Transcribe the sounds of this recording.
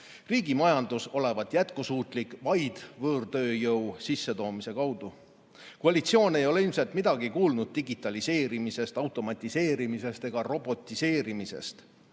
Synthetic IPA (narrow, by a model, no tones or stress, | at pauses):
riːɡimɑjɑnd̪̥uso̞le̞vɑt̪ˑjæt̪̚kusuːt̪ˑlikvɑjd̪̥vɤːrt̪ø̞ːjɤwsisːe̞t̪o̞ːmise̞kɑwd̪̥u | kuɑlʲit̪sio̞ːne̞jo̞le̞ilmselt̪mid̪ɑɡikuːlnud̪̥̚t̪iɡit̪ːˑɑlise̞ːɾimise̞st̪ɑwt̪ˑo̞mɑt̪ʲːˑise̞ːɾimise̞st̪e̞ɡ̥ɑro̞bo̞t̪ʲːˑise̞ːɾimise̞̰st̪